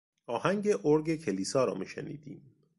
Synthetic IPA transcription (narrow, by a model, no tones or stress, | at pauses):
ɒːhæŋɟeʔoɾɡekʰeliːsɒːɾɒ̰ːmiːʃḛnḭːd̪iːm